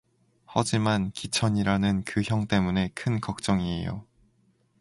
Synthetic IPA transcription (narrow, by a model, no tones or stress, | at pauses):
hʌd͡ʑimankit͡ɕʰʌɲiɾanɯnkɯçjʌŋt͈e̞mune̞kʰɯnkʌk̚t͡ɕ͈ʌŋie̞̰jo̰